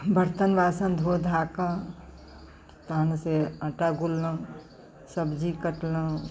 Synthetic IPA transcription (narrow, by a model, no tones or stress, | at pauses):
bəɾt̪ənbaːsənd̪ʱod̪ʱaːkã | t̪anseə̃ʈaɡulːə̃ | səbd͡ʒikəʈlə̃